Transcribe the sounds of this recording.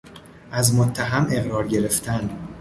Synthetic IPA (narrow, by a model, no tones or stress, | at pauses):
ʔæzmot̪ʰːæɦæme̞ɣɾɒːɾɟe̞ɾe̞ft̪ʰæn